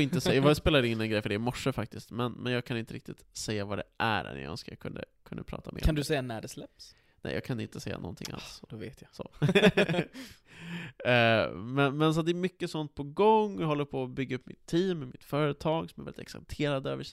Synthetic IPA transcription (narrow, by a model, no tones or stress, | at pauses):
ɪnt̪əsɛjjaspeːlad̪ɪnːɛnɡɾɛjfəɖɛɪmɔʂːəfak̚t̪ɪst̪mɛnmɛnjɑːɡkʰanɪnt̪əɾɪkt̪ɪt̪sɛjːavad̪ɛʔæɾɛ̰nj̰nskəjɑ̰kʰɵnd̪əkʰɵnd̪əpʰɾɑ̰ːt̪amḛːɾkːand̪ɵsɛjːanæɖɛslɛps | nɛ̰jɑ̰ːɡkʰanɪnt̪əsɛjːa̰nɔ̰nt̪ʰɪ̰ŋʔa̰lsvḛːt̪jasɔ | mɛnmɛns̬ɔat̪̚d̪ɛːɾmʏkːəsɔnt̪̚pʰɔɡɔŋːɦɔlːəɾpʰoːbʏɡːaɵpːmɪ̰t̪ʰːiːmːɛmɪt̪fœːɾət̪ʰɑːɡsɔmɛɾvɛlɪt̪ɛ̰ksa̰lt̪ʰeːɾad̪əøːvəʂ